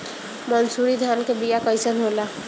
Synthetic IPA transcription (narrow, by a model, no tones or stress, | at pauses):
mənsuːɾid̪ʱaːnkebijakəjsənɦoːla